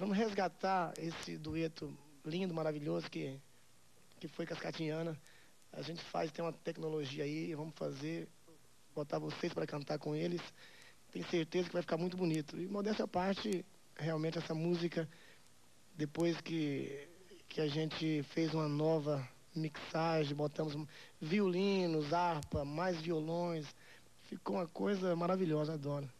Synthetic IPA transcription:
vɐ̃mʊɦezɡat̪aɾesɪd̪uet̪ʊ | lĩnd̪ʊmaɾaviʎozʊkɪ | kɪfojkaskat͡ʃiɐ̃nɐ | a̰ʒẽnt͡ʃɪ̥fa̰zɪt̪ẽũmɐt̪ɛknoloʒiɐaiɪvɐ̃mʊsfa̰zeɾ | bot̪aɾvosejspaɾɐkɐ̃nt̪aɾkõelɪs | t̪ẽj̃seɾt̪ezɐkɪvajfikaɾmũj̃t̪ʊbunit̪ʊɪmod̪ɛst̪ɐpaɾt͡ʃɪ | heawmẽnt͡ʃɪɛsɐmuzikɐ | d̪epojskɪ | kʰɪaʒẽnt͡ʃɪfejzũmɐnɔvɐ | miksaʒẽj̃bot̪ɐ̃mʊzviolĩnʊzaɾpɐmajzviolõj̃s | fikoũmɐkojzɐmaɾaviʎɔzɐad̪ɔɾɐ

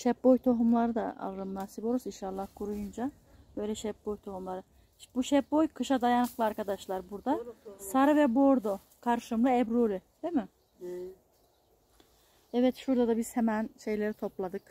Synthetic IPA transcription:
ʃɛpbojt̪ʰo̞ɦumlˠaɾɯd̪a̰a̰lˠɯɾɯmnaːsiboɾusinʃalˠːahkʰuɾujund͡ʒa | b̥ø̞jlʲɛʃɛp̚bojt̪ʰo̞humlˠaɾɯ | buʃɛpbojkʰɯʃad̪ajanɯklˠɯaɾkad̪aʃlˠaɾbuɾd̪asaɾavɛbo̞ɾd̪o | kʰaɾʃɯmlɯɛbɾolʲid̪̥imɪ | ɛvɛt̪ʃuɾd̪ad̪abiz̥hɛmænʃe̞jlʲe̞ɾit̪ʰo̞plˠad̪ɯk

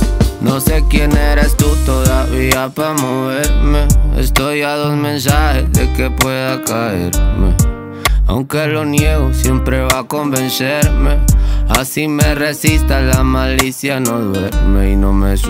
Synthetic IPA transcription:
nose̞kje̞neɾest̪ut̪oðaβiapamoβeɾmeḛst̪ojaðozmẽ̞ns̬ahezðekepwe̞ðakaeɾmḛ | a̰wŋkelo̞njeɣosjempɾeβako̞mbe̞nseɾmeasimeresist̪alamalisjanoðweɾmeinomes

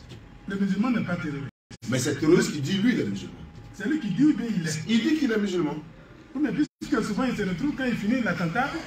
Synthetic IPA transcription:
ləmyzylmɑ̃nɛpat̪eɾoɾi | mɛsɛt̪eɾoɾist̪kid̪ilwilɛmyzy̰lmɑ̰̃sɛlikid̪iubjɛ̃ilɛild̪ikilɛmyzylmɑ̃ | pumɛ̃pisst̪kəsuvãilsəɾət̪ɾuvkãilfinilat̪ɑ̃t̪a

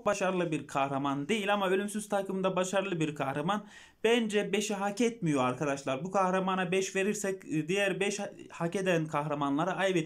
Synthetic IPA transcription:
k̚baʃaɾɯlˠɯbiɾkʰahɾamand̪e̞jilʲamaølʲymsyz̥t̪ʰakɯmɯnd̪abaʃaɾɯlˠɯbiɾkʰahɾaman | b̥ænd͡ʒɛbe̞ʃiɦacɛt̪mijo̞aɾkʰad̪aʃlˠaɾbukʰahɾamanabɛʃve̞ɾiɾsɛcd̪ijæɾbɛʃhace̞d̪ænkʰaɦɾamanlˠaɾaʔajbe

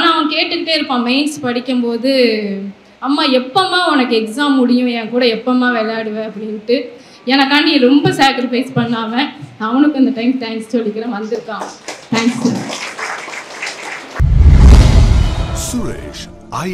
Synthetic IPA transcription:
aːnaːɐʋɐ̃ŋkeːʈːɯt̪ːeːɪɾɯpːãːmɐɪnspɐɽɪkːɯmpoːðɯ | ɐmːaːɛpːɐmaːɔnɐkːɯɛksaːmːʊɽɪjʊ̃ɛ̃ːkuːɽɐɛpːɐmaːʋɛlɐjaːɽɯʋẽːɐpːɐɽɪnʈːɯ | ɛnɐkːaɳɖɪjɾɔmbɐsaːkɪɾɪfɐɪspɐɳːaːʋɛ̃ɐʋɐnɯkːɐnd̪ɐʈɐɪmʈɐɪmssɔlːɪkːɪɾẽːʋɐnd̪ɯɾɯkːaːŋɐt̪ʰaːŋksu | sue

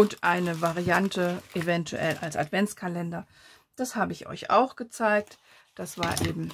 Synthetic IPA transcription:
ʊntʔaɪnəvaʁiantʰəʔevɛntʰuʔɛ̰la̰lsa̰tv̥ɛnt͡skʰalɛndɐ | d̥ashaːbəɪçʔɔ̰ʏçʔa̰ʊxɡ̥ət͡saɪk̚t | d̥asv̥aːɐʔeːbm̩

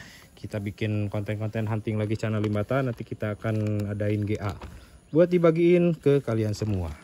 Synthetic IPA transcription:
kit̪abikɪnkɔnt̪ɛnkɔnt̪ɛnɦant̪ɪŋlaɡit͡ʃanalimbat̪anːant̪ikit̪aːkanadaɪnɡeʔabuat̪̚dibaɡiːnkəkaliansəmua̰

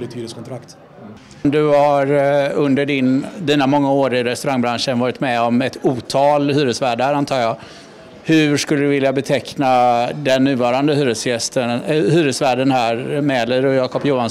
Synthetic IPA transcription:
ɾɪt̪ʰyːɾɪstkʰɔnt̪ʰɾakt̪ | md̪ɵhaɾɵnd̪əɖɪnd̪iːnamɔŋːaoːɾɪɾɛst̪ɵɾaŋːbɾanʂənvɑːɾɪt̪mɛɔmɛt̪uːt̪ʰɑːlhyːɾəsvæːɖhæːɾant̪ʰɑːɾjɑː | hɵʂkɵlːəd̪ɵvɪljabɛt̪ʰɛknad̪ɛnːʉ̟ːvɑːɾand̪əhyːɾəsjɛst̪əhyːɾəsvæːɖənhæːɾmɛləɾɔjɑːkɔpjuːan

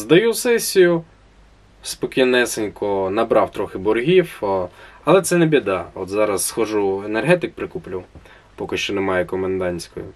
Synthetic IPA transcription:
zd̪ɐjusɛsʲijʊ | spɔkʲijnɛsenʲkɔnɐbɾɑwt̪ɾɔxɪbɔrɦʲiw | ɐlˠɛt̪sɛnebʲid̪ɑɔt̪zɑɾɐsːxɐʒuenerɦɛt̪ɪk̚pɾɪkuplʲʊw | pɔkɪʃt͡ʃɔnɛmɑjɛkɔmend̪ɑnʲsʲkɔ̰jʊ̰

